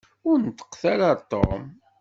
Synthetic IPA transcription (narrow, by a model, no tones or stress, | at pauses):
ʊɾnt̪ːə̥qθaɾaɾt̪ˤːo̰m